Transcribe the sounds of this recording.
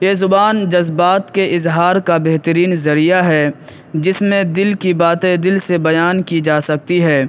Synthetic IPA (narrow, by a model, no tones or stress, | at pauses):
jeːzʊbaːnd͡ʒɐzbaːt̪keʔɪzɦaːɾkabeɦt̪əɾiːnzɐɾijaɦɛ | d͡ʒɪsmẽd̪ɪlkibaːt̪ed̪ɪlsebɐjaːnkid͡ʒaːsɐk̚t̪iɦɛː